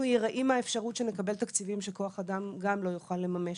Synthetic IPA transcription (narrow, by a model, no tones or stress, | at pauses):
ujeʁaʔimaefʃaʁut̪ʃe̞nekabe̞lt̪akt͡sivimʃeko̞aχadamɡamlo̞juχalːe̞mame̞